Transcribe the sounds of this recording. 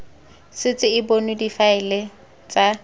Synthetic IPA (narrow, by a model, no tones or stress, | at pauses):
sɪt͡sʼɪɪbonʊdifaɪle | t͡sʼa